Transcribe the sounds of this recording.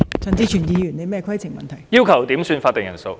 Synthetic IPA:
t͡sɐ˨˩ŋt͡siː˧t͡ʃʰyː˨˩njiː˨˧jy˨˩ne˧jmɛː˥˧kʰɐ˥jt͡sʰɪ˨˩ŋmɐ̰˨nt̪ʰɐ˨˩jjiː˥wkʰɐ˨˩wt̪iː˨˥msyː˧nfaː˧t̚t̪ːɪ˨ŋjɐ˨˩nso˧w

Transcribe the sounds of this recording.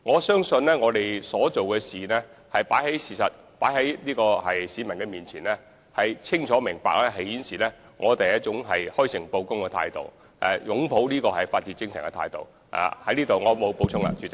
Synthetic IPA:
ŋɔː˨˧sœː˥ŋsɵ˧nlɛː˥ŋɔː˨˧t̪e˨˩jsɔː˨˥t͡ʃo˨wkɛː˧siː˨˩nɛː˥hɐ˨jpaː˨˥jɦe˨˥jsiː˨sɐ˨t̚ | paː˨˥jɦɐ˨˧˥jliː˥kɔː˧hɐ˨jsiː˨˧mɐ˨˩nkɛ˧miː˨nt͡sʰiː˨˩nlɛː˥ | hɐ˨jt͡sʰɪ˥ŋt͡ʃʰɔː˨˥mɪ˨˩ŋpa̰ː˧k̚lɛː˥ɦɐ˨˩jjiː˨˥nsiː˨nɛː˥ | ŋʔɔː˨˧t̪e˨jɐ˥t͡ʃʊ˨˥ŋɦɐ˨jhɔː˥jsɪ˨˩ŋpo˧wkʊ˥ŋkɛː˧t̪ʰa̰ː˧jt̪o̰˨w | ʔɛ̰˨jʊ˨˥ŋpʰo˨˥wniː˥kɔː˧ɦɐ˨jfaː˧t̚t͡siː˧˥kɪ˥ŋsɐ˨˩ŋkɛ˧t̪ʰa̰ː˧jt̪o̰˨w | ʔa̰˨˧hɐ˨˥jliː˥t̪o˨wŋɔː˨˧mo˨˧wpo˨˥wt͡ʃʰʊ˥ŋɐ̰˧t͡ʃyː˨

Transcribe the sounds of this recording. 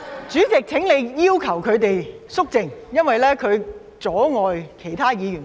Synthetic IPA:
t͡ʃyː˨˥t͡sɪ˨k̚t͡sʰɪ˨˥ŋle˨˧jjiː˥wkʰɐ˨˩wkʰɵ˨˧ɥt̪e˨jsʊ˥k̚t͡sɪ˨ŋjɐ˥nwɐ˨jlɛː˥kʰɵ˨˧ɥ | t͡sɔː˨˥ŋɔː˨jkʰe˨˩jt̪ʰaː˥jiː˨˧jyː˨˩n

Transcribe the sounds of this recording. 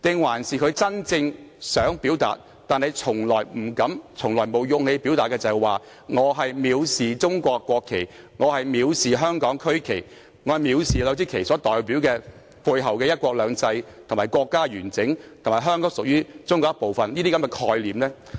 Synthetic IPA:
t̪ɪ˨ŋwaː˨˩nsiː˨kʰɵ˨˧ɥt͡sɐ˥nt͡sɪ˧ŋsœː˨˥ŋpiː˨˥wt̪a̰ː˨t̚ | t̪aː˨nhɐ˨jt͡sʰʊ˨˩ŋlɔː˨˩jm̩˨˩kɐ˨˥mt͡sʰʊ˨˩ŋlɔː˨˩jmo˨˧wjʊ˨˧ŋhe˧jpiː˨˥wt̪aː˨t̚kːɛː˧t͡sɐ˨˩waː˨ | ŋɔː˨˧ɦɐ˨jmiː˨˧wsiː˨t͡sʊ˥ŋkʷɔː˧kːʷɔː˧kʰːe˨˩j | ŋɔː˨˧hɐ˨jmiː˨˧wsiː˨ɦœː˥ŋkɔː˨˥ŋkʰɵ˥ɥkʰe˨˩j | ŋɔː˨˧hɐ˨˩jmiː˨˧wsiː˨lœː˨˧wt͡siː˥kʰe˨˩jsɔː˨˥t̪ɔː˨˩jpi˨˥wkɛː˧ | fu˧jɦɐ˨˩wkɛː˧jɐ˥t̚kʷɔː˧k̚lœː˨˧ŋt͡sɐ˧jt̪ʰmaː˨˩jkʷɔː˧kːaː˥ɥyː˨˩nt͡sɪ˨˥ŋt̪ʰmaː˨˩ɦœː˥ŋkɔː˨˥ŋsʊ˨k̚jyː˥t͡sʊ˥ŋkʷɔː˧˥po˨wfɐ˨njiː˥t̪iː˥kɐ˨˥mkɛ˧kʰɔː˧jliː˨mlɛː˥

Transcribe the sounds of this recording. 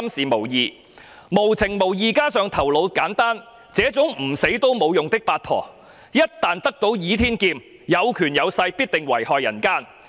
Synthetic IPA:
msiː˨mo˨˩wjiː˨˧ | mo˨˩wt͡sʰɪ˨˩ŋmo˨˩wjiː˨˧kaː˥sœː˨˧ŋt̪ʰɐ˨˩wlo˨˧wkaː˨˥nt̪aː˥n | t͡sɛː˨˥t͡sʊ˨˥ŋm̩˨˩se˨˥jt̪o˥wmo˨˧wjʊ˨ŋt̪ɪ˥k̚paː˧t̚pʰɔ̰ː˨˩ | jɐ˥t̚t̪aː˨nt̪ɐ˥k̚t̪o˨˧˥wjiː˨˥t̪ʰiː˥nkiː˧m | jɐ˨˧wkʰyː˨˩njɐ˨˧wsɐ˧jpi˥t̚t̪ɪ˨ŋwɐ̰˨˩jhɔː˨jɐ̰˨˩nkaː˥n

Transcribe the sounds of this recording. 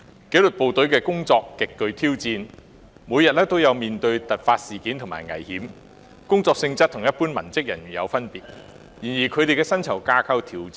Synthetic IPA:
ke˨˥jlɵ˨t̚po˨wt̪ɵ˨˥ɥkɛː˧kʊ˥ŋt͡sɔː˧kːɪ˨kːɵ˧ɥt̪ʰiː˥wt͡siː˧n | muː˨˧jɐ˨t̚lɛː˥t̪o˥wjɐ˨˧wmiː˨˩nt̪ɵ˧ɥt̪ɐ˨˩t̚faː˧t̚siː˨˩kiː˨˥nt̪ʰʊ˨ŋma̰ː˨jŋɐ̰˨˩jhiː˨˥m | kʊ˥ŋt͡sɔː˧ksɪ˧ŋt͡sɐ˥t̚t̪ʰʊ˨˩ŋjɐ˥t̚puː˥nmɐ˨˩nt͡sɪ˥k̚jɐ̰˨˩njyː˨˩jɐ̰˨˧wfɐ˥npiː˨˩t̚ | jiː˨˩njiː˨˩kʰɵ˨˧ɥt̪e˨jkɛː˧sɐ˥nt͡sʰɐ˨˩wkaː˧kʰa˥wt̪ʰiː˨˩wt͡s

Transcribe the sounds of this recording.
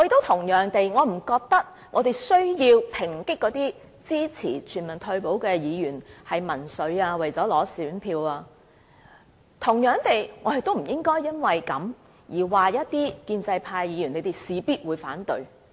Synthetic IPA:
ŋɔ˨˧je˨jt̪o˥wt̪ʰʊ˨˩ŋjœː˨˩ŋt̪e˨jŋɔː˨˧m̩˨˩kɔː˧k̚t̪ɐ˥k̚ | ŋɔː˨˧t̪e˨jsɵ˥ɥjiː˧wpʰɪ˨˩ŋkɪ˥kːɔː˨˥t̪iː˥ | t͡siː˥t͡sʰḭː˨˩t͡ʃʰyː˨˩nmɐ˨˩nt̪ʰɵ˧ɥpo˨˥wkɛː˧jiː˨˧jyː˨˩nhɐ˨jmɐ˨˩nsɵ˨˧˥ɥaː˧wɐ˨˩jt͡sɔː˨˥lɔː˨˥syː˨˥npʰiː˧waː˧ | t̪ʰʊ˨˩ŋjœː˨˧ŋt̪e˨jŋɔ˨˧hɐ˨jt̪o˥m̩˨˩jɪ˥ŋkɔː˥jːɐ˥nwɐ˨jkɐ˨˥m | jiː˨˩waː˨jɐ˥t̚t̪iː˥kiː˧nt͡sɐ˧jpʰaː˧jːiː˨˧jy˨˩ne˨˧jt̪e˨jsiː˨˧piː˥t̚wuː˨˧jfaː˨˥nt̪ɵ˧ɥ

